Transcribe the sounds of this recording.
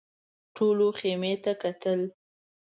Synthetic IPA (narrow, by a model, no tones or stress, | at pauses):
ʈʰoloxemet̪akat̪əl